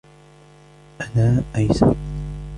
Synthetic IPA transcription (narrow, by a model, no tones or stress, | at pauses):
ʔanaːʔajsa̰ɾ